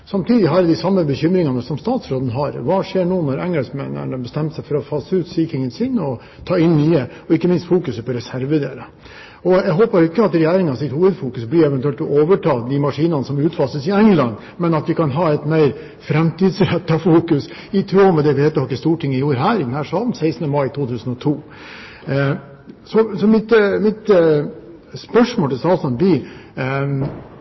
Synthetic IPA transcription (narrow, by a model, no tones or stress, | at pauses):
sɑmt̪ʰiːd̪ɪɦɑɾd̪ɪsɑmːəbəçʏmɾɪŋɑnəsɔmst̪ɑːt̪sɾoːd̪ənəɦɑɾʋɑːʂeːɳuːnɔɾɛŋɛlsmɛnə̰ɳəbɛst̪ɛmt̪sɛɪfɔɾɔfɑsːʉːt̪siːkɪŋənsɪnɔ | t̪ʰɑːɪnːyːə | ɔɪkːəmɪnst̪fuːkʉsəpɔɾɛsæɾʋəd̪eːɾə | ɔjæɪɦoːpɑɾɪkːəɑt̪ɾɛjæːɾɪŋɑsɪt̪huːʋəd̪fuːkʉsblɪɾɛʋɛnʉɛlt̪ɔʔoːʋəʈʰɑːd̪ɪmɑʂiːnɑnəsɔmʉːt̪fɑːsəsɪɛŋlɑn | mɛnɑt̪ʋɪkɑnɦɑːɛɪt̪mæɪɾ | fɾɛmt̪iːd̪sɾɛt̪ːɑfuːkʉs | ɪt̪ʰɾuːɔmɛd̪ɛʋɪheːt̪ːɔhɑkːəst̪uːʈʰɪŋːəjuːɾəɦæːɾɪd̪nhæːʂɑln̩sæɪsnəmɑɪt̪ʰuːt̪ʰʉːsən̩ɔt̪ʰuː | sɔsɔmɪt̪mɪt̪ | spœʂmoːlt̪ʰɪlsɑːlsɑnbɪ